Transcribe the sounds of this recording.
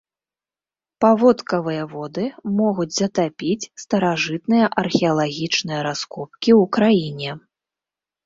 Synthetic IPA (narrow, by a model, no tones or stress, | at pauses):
pavɔt̪kɐvɨjɐvɔd̪ɨmɔɣud͡zʲzɐt̪apʲit͡sʲst̪ɐɾaʐɨt̪nɨjɐʔɐrxʲɛɐlˠaɣʲit͡ʂnɨjɐɾaskɔp̚kʲiwkɾajinʲɛ